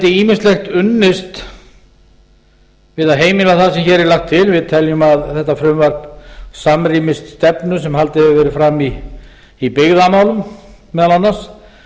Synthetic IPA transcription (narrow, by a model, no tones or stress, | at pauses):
t̪ɪiːmɪnst̪lɛxt̪ʏnːɪst̪ | vɪðaðɦeːjmɪlaθasɛmçɛːɾɛɾlaxt̪ʰːɪlvɪðt̪ʰɛljʏmaðθɛht̪afɾʏmvaɾ̥psamriːmɪst̪st̪ɛpnʏsɛmhal̪t̪ɪhɛvʏvɛːɾɪfɾamːiː | pɪɣðamaːwlʏmː | ɛðalanːas